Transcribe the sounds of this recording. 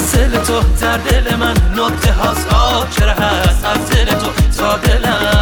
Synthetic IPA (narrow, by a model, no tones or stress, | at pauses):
selet̪ʰod̪æɾd̪elemænːot̪t̪ʰeɦɒsɒt͡ʃeɾɦæst̪æzd̪elet̪ʰosɒːd̪elæ